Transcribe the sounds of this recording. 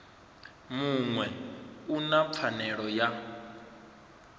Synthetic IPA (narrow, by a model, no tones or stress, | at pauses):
muŋwɛunaanɛɺɔja